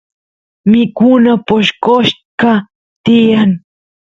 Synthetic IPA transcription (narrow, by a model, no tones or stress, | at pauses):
mɪkunapoʃkoʃka | t̪ɪjan